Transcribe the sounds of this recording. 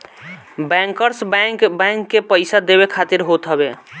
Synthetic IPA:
bɛ̃ŋkəɾsbɛ̃ŋkːepəɪsad̪ebekʰat̪iɾɦot̪ɦəbe

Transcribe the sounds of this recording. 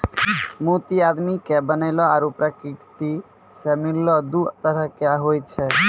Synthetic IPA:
mut̪iad̪mikebənajlɔaːɾupɾəkiʈt̪i | semiɾlɔd̪ut̪əɾəkjaɦojt͡ʃʰɛ

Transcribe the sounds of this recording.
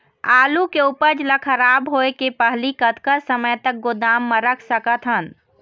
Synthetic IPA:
aːlukeupəɾd͡ʒləkʰəɾaːbɦoekepəɦlikət̪kəɾsəməjt̪ək̚ɡod̪aːmːəɾəkʰsəkət̪ɦən

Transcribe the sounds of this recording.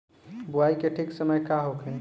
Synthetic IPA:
buaikeʈʰiksəməjkaɦokʰẽ

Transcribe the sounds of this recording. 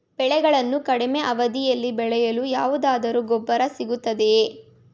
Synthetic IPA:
b̥ɛɭɛɡɐɭɐnːukɐɽime̞ʔɐʋɐd̪ijɐlːibɛɭɛjɐlujaːʋud̪aːd̪ɐɾuɡɔbːɐɾɐsiɡut̪ːɐd̪e̞

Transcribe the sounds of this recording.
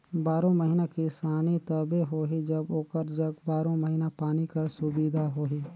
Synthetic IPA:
baːɾõməɦinakisaːnit̪ɐbeɦoːɦid͡ʒɐboːkəɾd͡ʒɐɡbaːɾõməɦiːnapaːnikɐɾsʊbid̪ʱaɦoːɦiː

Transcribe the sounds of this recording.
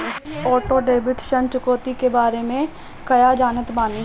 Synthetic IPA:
ɔːʈoɖeːbɪʈʃə̃nt͡ʃʊkoːt̪ikebaːɾemẽ | kɐjad͡ʒaːnət̪baːni

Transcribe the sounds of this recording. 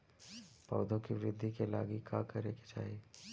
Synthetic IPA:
pɔ̰ːd̪ʱõkiʋɪɾɪd̪ʱːikela̰ːɡikʰaːkɐɾeke̥t͡ʃa̰ːɦeː

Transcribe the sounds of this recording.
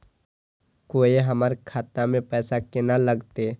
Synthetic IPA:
koːiɦɐmaːɾkʰaːt̪amẽpɛːsakenaləɡt̪e

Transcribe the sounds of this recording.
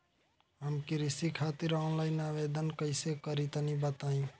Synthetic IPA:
ɦəmkiɾisikʰat̪iɾanlajnaʋed̪ənkəɪsekəɾit̪nibət̪aĩ

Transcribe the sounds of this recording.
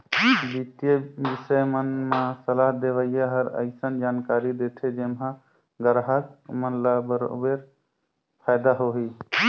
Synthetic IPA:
bit̪jebisəjmənmasəlaɦd̪eβəjjaɦəɾə̰ɪsənd͡ʒankaɾid̪et̪ʰed͡ʒemɦã | ɡəɾɦək̚mənlabəɾo̰beɾ | pʰajd̪aɦoɦi

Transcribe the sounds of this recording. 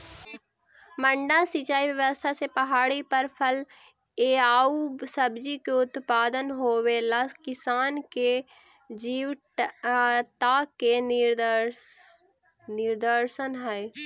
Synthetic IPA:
mə̃ɳɖasɪt͡ʃaːiʋjəʋəst̪ʰasepɐɦaːɽipəɾpʰəl | eːaːusəbd͡ʒikeʊt̪paːd̪ənɦoːwelaskɪsaːnke | d͡ʒiːw | t̪ake | nɪɾd̪əɾʃənɦɛe

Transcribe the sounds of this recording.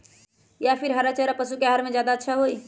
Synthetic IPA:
japʰiɾɦaɾat͡ʃəɾapəsukeɦaɾmẽd͡ʒjaːd̪aətːʃʰaɦoi

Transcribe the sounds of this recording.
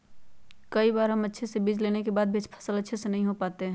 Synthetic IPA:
kɐibaːɾɦɐmɐtːʃʰesebiːd͡ʒleːnekebaːd̪̚bʱiɐt͡ʃpʰɐ̥səlɐtːʃʰesenɐɦĩɦopaːt̪eɦɛ̃

